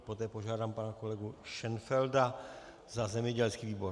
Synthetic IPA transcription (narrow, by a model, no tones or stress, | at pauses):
pot̪ɛːpo̞ʒaːdaːmpanako̞lɛɡuʃɛnfɛlda | zazɛmjɛɟɛlskiːviːbo̞ɾ